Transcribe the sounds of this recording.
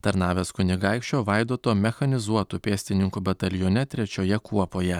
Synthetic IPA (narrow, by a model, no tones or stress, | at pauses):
t̪ɐɾnɑːʋʲeːskʊnʲɪɡɑɪkʃʲt͡ʃʲoːʋɑɪd̪oːt̪oːmʲɛxɐnʲɪzuɔt̪uːpʲeːsʲt̪ʲɪnʲɪŋkubɐt̪ɐlʲjoːnʲɛt̪ʲɾʲɛt͡ʃʲoːjɛkuɔpoːjɛ